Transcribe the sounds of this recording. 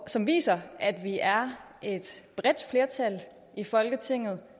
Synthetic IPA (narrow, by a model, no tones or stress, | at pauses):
sɒ̽mʋḭːsɐʔæd̥ʋiʔæɐ | e̝d̥b̥ʁɛd̥fle̝ɐt͡sʰæl | ifɒ̽lɡ̥ət͡sʰe̝ŋ̰ð̞̩ˠ